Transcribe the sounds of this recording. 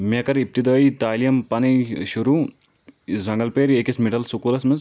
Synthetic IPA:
mɐkɐɾip̚t̪id̪ɐːit̪aːlijɐmpɐniʃuɾuː | zɐŋɡɐlpeːɾeːkismiʈɐlsukuːlɐsmiz

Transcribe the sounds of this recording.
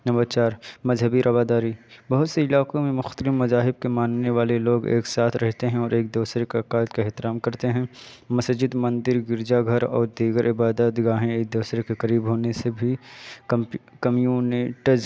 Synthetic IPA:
nɐməd̪t͡ʃaːɾmɐzɦəbiɾʔɐʋaːd̪aːɾibɐɦʊt̪seɪlaːkõmẽmʊxt̪əlɪfmɐzaːɦɪb̚kemaːnːeʋaːleloːɡḛːksaːt̪ʰɾɛɦt̪eɦɛ̃ɔːɾeːk̚d̪uːsɾekakaːɪd̪kaɛɦt̪ɪɾaːmkɐɾt̪eɦɛ̃ | mɐsd͡ʒɪd̪mɐ̃nd̪ɪɾɡɪɾd͡ʒaɡʱɐɾɔ̰ːɾd̪iːɡəɾʔɪbaːd̪əd̪ɪɡaːɦẽeːk̚d̪uːsɾekekɐɾiːbɦoːnesebʱi | kɐmijuːnɪʈəɾz

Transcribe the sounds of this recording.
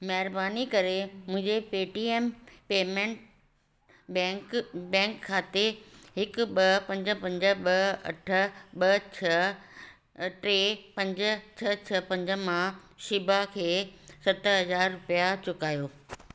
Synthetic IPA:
mɐɦɪɾbaːnikɐɾemʊ̃ɦɪ̃ɲd͡ʑepeːʈiːeːmpeːmẽɳʈ | ɛ̃ːkbɛ̃ːŋkʰːaːt̪eɦɪkʊɓɐpɐ̃ɲd͡ʑə̆pɐ̃ɲd͡ʑə̆ɓɐɐ̰ʈʰə̆ɓɐt͡ɕʰɐ | ʈɾeːpɐ̃ɲd͡ʑə̆t͡ɕʰɐt͡ɕʰɐpɐ̃ɲd͡ʑəmãʃɪbʱakʰeːsɐt̪ɦɐzaːɾːʊpijat͡ɕʊkaːjoː

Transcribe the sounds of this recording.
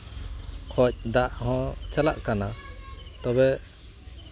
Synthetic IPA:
kʰɔc̚ˀd̪aʔhɔ̃t͡ʃʰalaʔkanat̪ɔbɛ

